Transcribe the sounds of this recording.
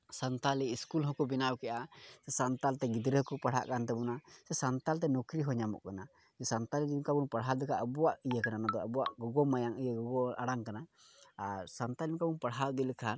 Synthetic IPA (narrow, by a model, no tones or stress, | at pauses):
sant̪aliiskulɦɔkɔbinawkɛʔasɛsant̪alt̪ɛɡid̪ɾəhɔkɔpaɽ̤ɦa̰ʔkant̪ɛbɔnasɛsant̪alt̪̬ɛnɔkɾiɦɔɲamɔ̰ʔkana | d͡ʒɛsant̪alid̪imkabunpaɽɦad̪ikaʔəbɔwaʔijəkananad̪ɔabɔwaʔɡɔɡɔmajaŋijəɡɔɡɔaɽaŋkanaː | ɾsant̪alimkabunpaɽɦawd̪ilikʰan